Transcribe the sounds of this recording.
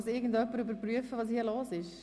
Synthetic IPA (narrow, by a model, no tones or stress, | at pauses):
sɪɡən̩dœpːəɾybəɾpʁyəfəʋɑːshiːəloːsɪʃ